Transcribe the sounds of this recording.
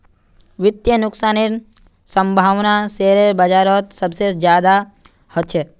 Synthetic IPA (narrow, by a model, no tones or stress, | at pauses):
ʋɪt̪jənʊksaːniɾ | sə̃mbʱaːʋnaseːɾebəd͡ʒaːɾɔt̪səbsed͡ʒjaːd̪a | hɔt̪ʃʰeː